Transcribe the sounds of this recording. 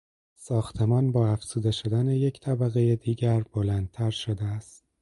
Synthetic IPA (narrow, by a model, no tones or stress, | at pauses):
sɒːxt̪ʰe̞mɒːnbɒːæfz̥uːd̪e̞ʃod̪æne̞jecʰt̪ʰæbæɣe̞jed̪iːɟæɾb̥o̞lænd̪̚t̪ʰæɾʃod̪eæst̪̚